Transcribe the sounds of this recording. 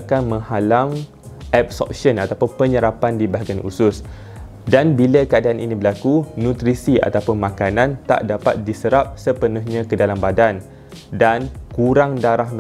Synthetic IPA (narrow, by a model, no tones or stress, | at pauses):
kanmə̃ŋhalaŋ | ʔɛb̚sɔ̰p̚sənat̪apʊnpəɲəɾapandibaɦaɡianʔṵsʊs | danbiləkəadaaninĩbəlakunũt̪ɾisia̰t̪apʊnmãkanãnt̪a̰ʔdapa̰t̪̚disəɾap̚səpənʊhɲãkədalambadan | dankuɾaŋdaɾahm